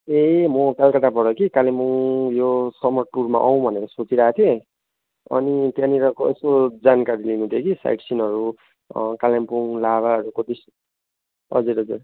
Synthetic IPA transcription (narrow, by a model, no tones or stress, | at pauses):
emʌkalkʌt̪apʌɽʌkikalempuŋjosʌmʌʈurma̰ʔʌw̃bʱʌneɾʌsot͡siɾaɦat̪ʰijẽ | ʌ̰nit̪jãniɾʌkoesod͡zankaɾilinũt̪ʰjekisa̰jʈsinʌɾu | kalempuŋlaβaʌɾukod̪is | ɦʌ̰d͡zuɾɦʌd͡zur